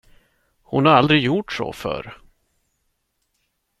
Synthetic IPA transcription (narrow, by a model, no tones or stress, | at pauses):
hʊnhaɾald̪ɾɪɡjuʈʂɔ̰fœ̰ɾ